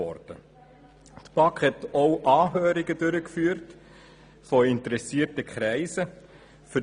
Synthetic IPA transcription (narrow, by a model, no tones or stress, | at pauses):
ɔ̰ɾd̥ə | t̪pɑkhɛtoʊʔɑːɦøːɾɪɡəd̥ʏɾəkfyːəɾt | fɔɪntəɾɛsiːtəkʰχɾæɪzə | fʏ